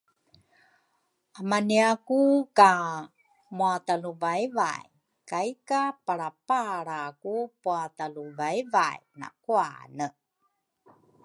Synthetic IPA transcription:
amaniakuka | muataluvajva̰j | kajkapaɾapaɾakupuataluvajva̰jna̰kua̰nə

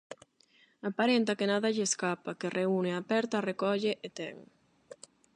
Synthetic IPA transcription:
apaɾent̪akenaðaʎeːskapakerʔeuneapɛɾt̪arekɔʎeʔet̪ɛŋ

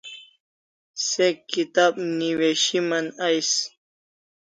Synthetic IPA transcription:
sekːit̪ab̚niweʃimanajs

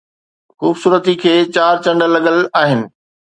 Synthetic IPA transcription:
xuːbsuːɾət̪ikʰeːt͡ɕaːɾt͡ɕɐ̃ɳɖəlːɐɠəlaːɦɪnɪ̆

